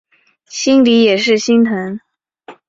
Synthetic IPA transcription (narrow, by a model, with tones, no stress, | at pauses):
ɕi˥ŋli˧˥jɛ˨˩ʂɻ̩˥˩ɕi˥ŋt̪ʰə˧˥ŋ